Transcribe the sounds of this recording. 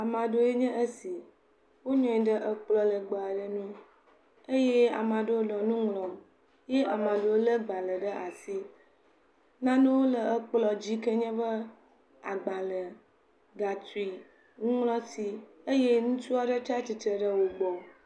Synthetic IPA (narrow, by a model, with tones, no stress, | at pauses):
a˨mã˨ɖo˦e˦ɲɛ̃˦ʔə˦si˨ | wo˦ɲɔ̃˨i˨ɖə˦ʔə˦k͡plɔ˦lə˨ɡ͡ba˨a˨ɖə˦nũ˦ | e˦je˦a̰˨mã˨ɖə˦wo˦lɔ˨nũ˦ŋlɔ̃˨m | je˦ʔa˨mã˨ɖə˦wo˦lə˦ɡ͡ba˨lə˨ɖə˦ʔa˨si˦ | nã˦nũ˦wo˦lə˨ə˦k͡plɔ˨d͡ʑi˦kə˦ɲɛ̃˦bə˦ | a̰˨ɡ͡ba˨lə˨ | ɡa˨t̪u˨i˨ | ŋũ˦ŋlɔ̃˦si˦ə˦je˦ŋũ˦t͡ʃu˦a˨ɖə˦t̪a˦t͡ɕi˨t̪ɾə˨ɖə˦wo˨ɡ͡bɔ˨